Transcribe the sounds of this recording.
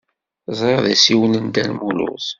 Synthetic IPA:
zˤɾɑðæsiwənənd̪ænmulṵs

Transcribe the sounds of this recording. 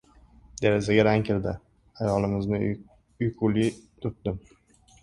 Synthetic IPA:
d̪eɾezaɡʲaɾaŋkʲʰɪld̪ɪ | ajɒlɪmɪznɪ | ʊjkʊlit̪ʰʊt̪̚d̪̥ɪm

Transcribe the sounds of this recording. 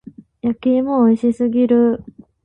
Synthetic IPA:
jakeːmoːiɕisɨɡʲiɾɯ̟

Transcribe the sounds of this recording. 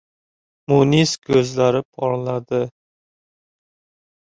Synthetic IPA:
muniskʲʰɵzlaɾɪpʰɒɾlad̪ɪ

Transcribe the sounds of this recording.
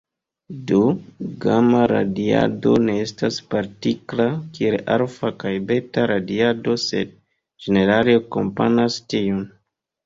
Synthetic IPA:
doɡamaɾa̰dia̰do̞̰ne̞estaspaɾtiklakieʔaɾfakajbe̞taɾadiado̞se̞̰d̚ | d͡ʒene̞ɾaleako̞mpa̰nastion

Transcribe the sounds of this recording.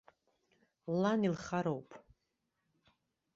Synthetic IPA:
lanilχaɾowpʰʼ

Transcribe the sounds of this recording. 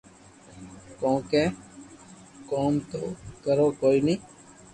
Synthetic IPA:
kõːkɛː | koːmt̪o̰ːkəɾoːkoːiːniː

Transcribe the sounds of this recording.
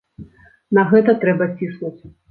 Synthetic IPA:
nɐɣɛt̪ɐt̪ɾɛbɐisnut͡sʲ

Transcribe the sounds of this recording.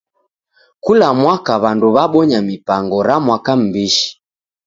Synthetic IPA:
kulamwakaβanduβaɓɔɲamipaŋɡɔɾamwakam̩biʃi̥

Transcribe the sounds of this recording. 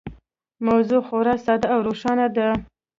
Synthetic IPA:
mawzuxoɾɑsɑd̪aawɾoʃɑnad̪ə

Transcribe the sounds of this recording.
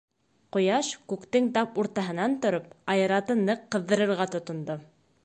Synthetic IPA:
qŏjɑʃkʉkt̪ɘŋt̪ɑpuɾt̪ɑɦɤ̆nɑnt̪ŏɾop̚ɑjɤ̆ɾɑt̪ɤnɤqːɤ̆ðːɤ̆ɾɤ̆ɾʁɑt̪ŏt̪ŏnd̪o

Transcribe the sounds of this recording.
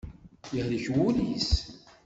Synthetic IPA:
jəhliçwulis

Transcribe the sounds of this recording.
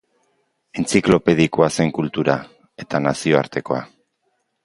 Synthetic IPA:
e̞nt͡siklo̞pe̞ð̞ikoase̞ŋkult̪uɾa | e̞t̪anasio̞aɾt̪e̞ko̞a̰

